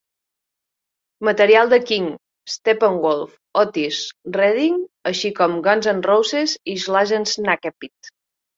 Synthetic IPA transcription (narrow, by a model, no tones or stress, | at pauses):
mət̪əɾialˠd̪əkiŋ | st̪epəŋɡolˠf | ɔt̪isrɛðiŋəʃikɔmɡɔnzənrowseziʒlaʒenznakepit̪